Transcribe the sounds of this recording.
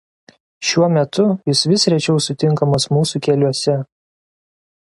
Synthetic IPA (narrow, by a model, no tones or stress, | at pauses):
ʃʲuɔmʲɛt̪ʊjɪsʋʲɪsɾʲɛt͡ʃʲɛʊsʊt̪ʲɪŋˑkɐmɐsmuːsuˑkʲɛlʲuɔsʲɛ